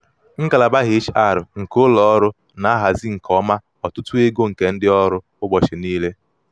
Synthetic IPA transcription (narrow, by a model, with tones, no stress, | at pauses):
ŋ̩˦ka˨la˨ba˦ɦɪ˨˦t͡ʃa˨ɾʊ˨ŋ̩˨kʊ˦lɔ˦ɔ˦ɾʊ˦ | na˦ɦa˨zi˦ŋ̩˨kʰɔ˦ma˦ | ɔ˨tʊ˦tʊ˦e˦ɡo˦ŋ̩˨ke˨n̩˦dɪ˦ɔ˦ɾʊ˦ | ʊ˦ɡ͡bɔ˨t͡ʃɪ˨niː˦le˦